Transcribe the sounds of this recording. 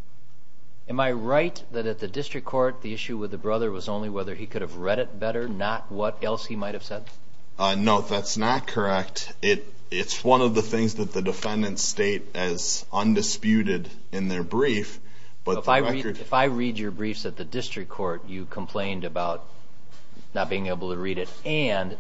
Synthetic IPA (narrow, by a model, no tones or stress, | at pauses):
ɨ̃maɪɹaɪt̪̚ðɨɾɨt̪̚ðɨdɪstɹ̥ɨkʰɔɹt̪̚ðiɪʃʉwɨðɨbɹʌðə˞wʌzõʊ̃nliwɛðə˞ikʰʊɾɨvɹɛɾɨt̚b̥ɛɾə˞nət̚wʌɾɛlˠshimaɪt̚hɨv̥sɛd̥̚ | noʊðætsnət̚kʰə˞ɛk̚t | ɪɾ | ɪtswʌ̃nʌvðəθɪ̃ŋzðɨt̪̚ðɨdɨfɛ̃ndɨ̃ntsteɪɾɪz | ʌ̃ndɨspjʉɾɪɾ | ɨ̃nðə˞bɹif | b̥ʌaɪiə˞ɨfaɪɹid͡ʒə˞bɹifsɨt̪̚ðɨdɪstɹ̥ɨkʰɔɹt͡ʃɨkʰə̃m̩pʰl̥ẽɪ̃ndɨbaʊt̚ | nət̚b̥iɪ̃ŋeɪbl̩ˠtʰəɹiɾɨɾ | ɨ̃n